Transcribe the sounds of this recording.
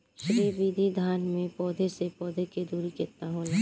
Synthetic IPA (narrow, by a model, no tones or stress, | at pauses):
ʃɾiːbiːd̪ʱid̪ʱaːnmẽpɔːd̪ʱesepɔːd̪ʱeked̪ʱuːɾikeːt̪aɦoːla